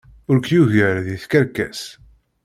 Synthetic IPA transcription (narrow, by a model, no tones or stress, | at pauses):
ʊɾkjuʝəɾðiθkəɾkːæ̰s